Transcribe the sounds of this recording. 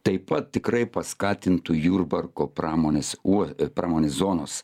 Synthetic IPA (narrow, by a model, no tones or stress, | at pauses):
t̪ɐɪpɐt̪̚ʲt̪ʲɪkɾɐɪpɐskɑːt̪ʲɪnt̪ujuːɾbɐɾkoːpɾɑːmoːnʲeːsuɔpɾʔɑːmoːnʲeːszoːnoːs